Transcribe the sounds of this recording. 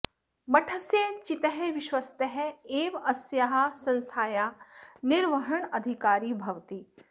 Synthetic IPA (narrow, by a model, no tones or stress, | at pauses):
mɐʈʰəsjet͡ʃɪt̪əɦɛʋɪʃwɐst̪əɦɛeːʋɐsjaɦasɐ̃nst̪ʰaːjaːnɪɾʋɐɦəɳ̃ɐd̪ʱikaːɾiːbʱɐʋt̪iː